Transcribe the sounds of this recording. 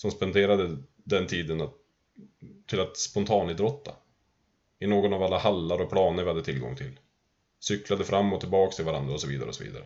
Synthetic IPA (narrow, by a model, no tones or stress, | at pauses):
sɔmspɛnd̪eːɾad̪ə | d̪ɛnt̪ʰiːd̪əna | t̪ʰːɪlat̪spɔnt̪ʰɑːnɪd̪ɾɔt̪ːa̰ | ɪnoːɡɔnavalːahalːaɾɔpʰlɑːnəɾvɪhad̪ːət̪ʰɪlɡɔ̰ŋːt̪ʰɪlː | sʏklad̪əfɾʔamːɔt̪ʰːɪlbɑːkst̪ʰɪlvaɾa̰nd̪ɾaɔsɔviːd̪a̰ɾəɔ̰sɔvḭːd̪a̰ɾə